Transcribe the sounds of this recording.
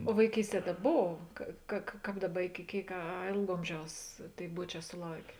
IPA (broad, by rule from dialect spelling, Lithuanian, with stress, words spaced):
oː ʋɐɪˈkʲiːsʲˌtʲiɛ tɐ ˈboːw ˈkɐ kɐ kɐ ˈkɑːp ˈdɑːˌbɐ ɪkʲɪ ˈkʲeːɪk ɐ ɐ ˈeːlˠk ˈoːmʲˌʒʲɛʊs ˈtʲeːɪ ˈbuɔˌt͡ʃʲɛː sʊˈlˠɐʊkʲeː